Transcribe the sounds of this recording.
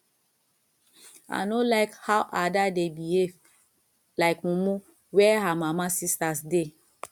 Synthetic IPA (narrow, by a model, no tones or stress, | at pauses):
a̰nolaɪkhawʔadadebie | laɪkmũmũ | wɛɦamãmãsistasde